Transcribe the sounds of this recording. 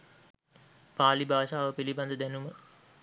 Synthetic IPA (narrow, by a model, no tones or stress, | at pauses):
paːlibaːʃaːʋəpiliband̪əd̪ænumə